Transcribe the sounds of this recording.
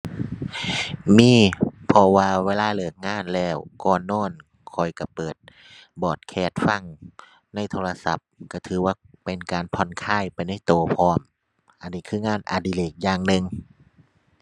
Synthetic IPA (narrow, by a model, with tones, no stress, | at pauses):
miː˧˥˨pʰɔ˧waː˧weː˧˨laː˧˥˨lɯː˧˩k̚ŋaː˧˥˨nlɛː˧˩wkɔː˧˩nɔː˧˥˨n | kʰɔ˨˩jka˧˩pɤː˨˩t̪̚ | bɔː˨˩t̪̚kʰɛː˧˩t̪̚fa˧˩ŋ | na˧˩˨jt̪ʰoː˧la˧sa̰˧˦p̚ka˧˩t̪ʰɯː˨˦waː˧˩pe˨nkaː˨npʰɔ˧˩nkʰaː˧˥˩jpa˨jna˧˥˩jt̪oː˨˧pʰɔː˧˩˨m | ʔa˧˨nːiː˧˩kʰɯː˧˥˨ŋaː˧˥˩nʔa̰ː˧diː˧˨leː˧˩k̚jaː˧ŋnɯ˧ŋ